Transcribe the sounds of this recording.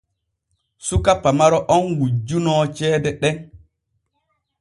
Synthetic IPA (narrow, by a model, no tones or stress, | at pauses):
sukapːamaɾɔʔɔnwud͡ʒunɔt͡ʃɛːdɛɗɛn